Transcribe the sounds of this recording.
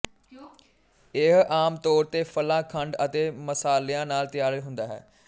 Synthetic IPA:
ɪɦaːmt̪ɔːɾt̪eːpʰəlãːkʰəɳɖət̪eːməsaːlejãːnaːlt̪ɪjaːɾəɦʊ̃nd̪aːɦɛ̰ː

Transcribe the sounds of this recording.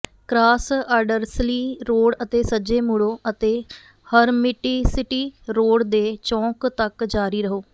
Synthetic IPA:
kɾaːsaːɾɖəɾsliːɾoːɽət̪eːsəd͡ʒeːmʊɽoːʔət̪eː | həɾmɪʈiːsɪʈiːɾoːɽd̪eːt͡ʃɔ̃ːkt̪əkd͡ʒaːɾiːɾəɦoː

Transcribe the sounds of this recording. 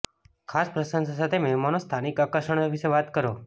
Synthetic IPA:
kʰaspɾəsənsasat̪ʰemɛmanost̪ʰanikakəʃəɳopʰiʃeʋat̪kəɾo

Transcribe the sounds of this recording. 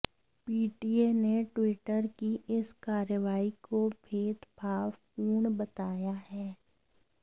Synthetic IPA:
piːʈieneʈwɪʈəɾkiʔɪskaːɾjəʋaːikobʱeːd̪bʱaːʋpuːɳbət̪aːjaɦɛː

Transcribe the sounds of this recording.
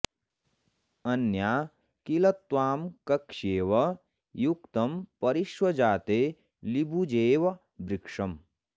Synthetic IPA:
ɐnjaː | kilɐt̪ʋaːmkɐkʂeːʋɐ | jukt̪ɐmpɐɾiʃwɐd͡ʒaːt̪eː | libʱud͡ʒeːʋɐ | bɾikʂɐm

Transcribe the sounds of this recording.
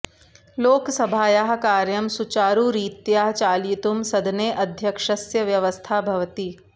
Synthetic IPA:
loːksɐbʱaːjaːɦkaːɾjɐmsut͡ʃaːɾuːɾiːt̪jaːɦt͡ʃaːljit̪umsɐd̪neːʔɐd̪ʱjɐkʂɐsjɐʋjɐʋɐst̪ʰaːbʱɐʋt̪iː

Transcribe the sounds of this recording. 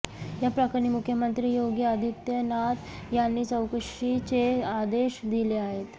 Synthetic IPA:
japɾəkəɾniːmukʰjəmənt̪ɾiːjoɡjəəd̪ʱit̪jənat̪janːiːt͡səwkəʂit͡ɕead̪eɕd̪ileaɦet̪

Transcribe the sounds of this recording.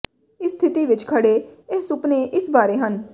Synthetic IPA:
ɪst̪ʰɪt̪iːʋɪt͡ʃkʰəɽeːeɦsʊpneːʔɪsbaːɾeːɦən

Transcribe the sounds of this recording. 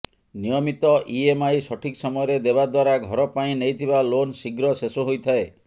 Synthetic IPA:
nijɔmit̪ɔʔiemajsɔʈʰiksɔmɔjɔɾed̪eβad̪waɾaɡʱɔɾɔpaĩnejt̪ʰibalonsiɡɾɔsesoɦojt̪ʰae

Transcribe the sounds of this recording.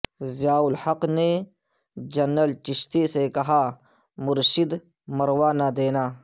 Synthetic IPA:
zjaːʊlhɐqne | d͡ʒɐnːəlt͡ʃɪʃt̪esekɐɦaː | mʊɾʃɪd̪ | mɐɾwaːnad̪eːnaː

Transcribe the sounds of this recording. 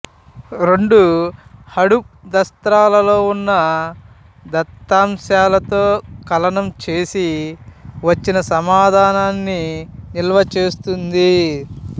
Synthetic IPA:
ɾe̞ɳɖuhɐɽup̚ | d̪ɐst̪ɾaːlɐlo̞ːunːɐ | d̪ɐt̪ːaːmsaːlɐt̪o̞ːkɐlɐnɐmt͡ʃe̞ːsi | ʋɐt͡ʃːinɐsɐmaːd̪ʱaːnaːnːinilʋɐt͡ʃe̞ːst̪und̪i

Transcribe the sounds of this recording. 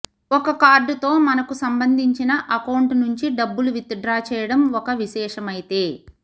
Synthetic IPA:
ɔkɐkaːɾɖut̪o̞ːmɐnɐkusɐmbɐnd̪ʱiɲt͡ʃinɐʔɐkɐwɳʈnuɲt͡ʃiɖɐbːuluʋit̪ɐɖɾaːt͡ʃɛːjɐɽɐmɔkɐʋiʃɛːʂɐmɐjit̪e̞ː

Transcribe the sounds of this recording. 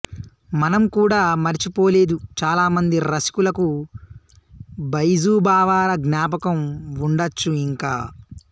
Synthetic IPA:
mɐnɐmkuːɽaːmɐɾit͡ʃipoːle̞ːd̪ut͡ʃaːlaːmɐnd̪iɾɐsi̥kulɐku | bɐjzuːbaːʋaːɾɐɡnjaːpɐkɐmuɳɖɐt͡ʃːuiŋkaː

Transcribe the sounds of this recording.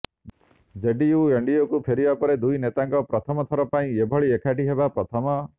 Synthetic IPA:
d͡ʒeɖiueɳɖijokupʰeɾibapɔɾed̪ujnet̪aŋkɔpɾɔt̪ʰɔmɔt̪ʰɔɾɔpaĩebʱɔɭiekʰaʈiɦebapɾɔt̪ʰɔmɔ

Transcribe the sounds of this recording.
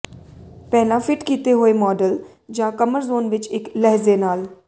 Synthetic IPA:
pɛːlãfʰɪʈkiːt̪eɦoːemɔːɖəl | d͡ʒãːkəməɾzoːnʋɪt͡ʃɪklɛɦzenaːl

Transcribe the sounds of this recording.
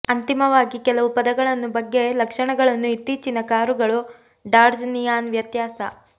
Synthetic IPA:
ɐnt̪imɐʋaːɡikɛlɐʋupɐd̪ɐɡɐɭɐnːubɐɡːe̞lɐkʂɐɳɐɡɐɭɐnːuit̪ːiːt͡ʃinːɐkaːɾuɡɐɭu | ɖaːɾd͡ʒnijaːnʋjɐt̪jaːsɐ̰

